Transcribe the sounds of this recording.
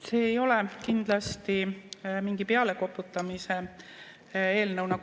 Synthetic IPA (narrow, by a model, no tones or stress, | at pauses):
se̞ːjo̞le̞kind̪̥lɑst̪imiŋɡ̥ipe̞ɑle̞ko̞pːˑut̪ːˑɑmise̞ | e̞ːlnɤwnɑ